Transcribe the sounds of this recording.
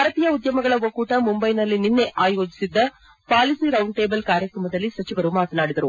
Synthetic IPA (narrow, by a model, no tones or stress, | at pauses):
ɐɾɐp̪ijɐud̪jɐmɐɡɐɭɐʋokːuːʈɐmumbɐjnɐlːininːeʔaːjoːd͡ʒisid̪ːɐ | paːlisiːɾɐwɳɖʈeːbɐlkaːɾjɐkɾɐmɐd̪ɐlːisɐt͡ʃiʋɐɾumaːt̪ɐnaːɽid̪ɐɾu